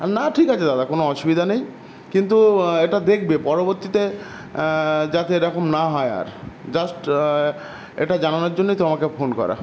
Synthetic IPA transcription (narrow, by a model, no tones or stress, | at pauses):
naʈʰikat͡ɕʰed̪ad̪akonoɔʃubid̪ʱanej | kint̪ueʈad̪ek̚ʰbepɔɾoboɾt̪it̪e | d͡ʑat̪eɾɔkomnaɦɔea̰ɾd͡ʑasʈ | ḛʈad͡ʑananoɾd͡ʑonːejt̪omakefonkɔ̰ɾa̰